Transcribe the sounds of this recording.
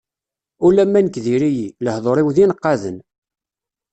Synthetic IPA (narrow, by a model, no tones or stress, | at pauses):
ulːæmːænəkðiɾijiləhðˤoɾˤiwðinəqːɑðə̰n